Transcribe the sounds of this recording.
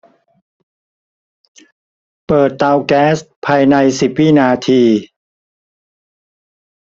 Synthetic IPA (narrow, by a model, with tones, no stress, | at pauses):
pɤː˨˩t̪ːaː˧wkɛː˦˥st̪̚pʰaː˧jna˧jsi˨˩p̚wiː˥˩naː˧t̪ʰiː˧